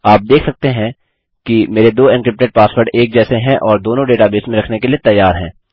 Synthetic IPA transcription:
aːp̚d̪eːkʰsɐk̚t̪eɦɛ̃ | kimeːɾed̪oːɪnkɾɪp̚ʈeʈ̚paːsʋəɾɖeːk̚d͡ʒɛːseɦɛ̃ʔɔːɾd̪oːnõɖeːʈabeːsmẽɾɐkʰnekeliet̪ɐjːaːɾɦɛ̃ː

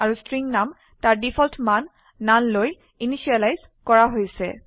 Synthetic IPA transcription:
aɹustɹiŋnam | taɹdipʰɔltʰmanː | anloj | iniʃialajz̥ | kɔɹaɦojsɛ̰

